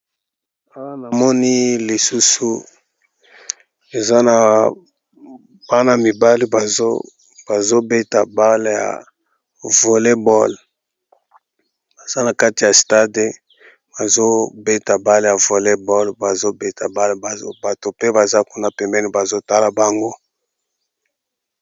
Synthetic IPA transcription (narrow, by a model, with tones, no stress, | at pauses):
a˦wa˦na˨mɔ˦ni˦li˨su˦su˦ | e˨za˦na˨ | b̥a˦na˨mi˨ba˦li˦ba˨z | b̥a˨zo˦be˦ta˨ba˦le˦ja̰˨ | vo˨le˦bɔ˦l | ba˨z̥a˦na˨ka˦ti˨ja˨sta˦de˨ | ba˨zo˦be˦ta˨ba˦le˨ja˨vo˨le˦bɔ˦lba˨zo˦be˦ta˨ba˦lba˨˦ba˨to˨pe˦ba˨za˦ku˦na˨pɛ˨mbɛ˦ni˦ba˨zo˦ta˦la˨ba˨ŋɡo˦